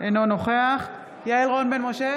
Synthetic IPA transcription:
ʔenonoχeaχ | jaelʁonbenmoʃe

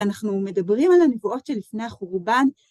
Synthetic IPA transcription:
anaχnume̞dabʁimalanevuo̞tʃelifne̞jaχuʁban

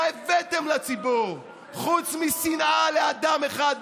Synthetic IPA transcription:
evet̪emlat͡sibuʁ | χut͡smisinʔalead̪ameχad̪

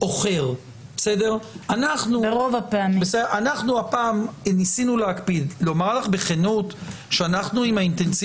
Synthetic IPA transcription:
o̞χe̞ʁ | bese̞de̞ʁanaχnuʁovapeamibeseanaχnuapaːmnisinuleakpid̪lo̞maʁlaχbeχenut | ʃeanaχnuimhaint̪e̞nsi

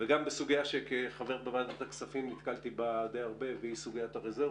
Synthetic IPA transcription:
veɡambesuɡijaʃekeχave̞ʁbevad̪at̪aksafimnit̪kalt̪ibad̪ejaʁbe̞veisuɡijat̪aʁeze

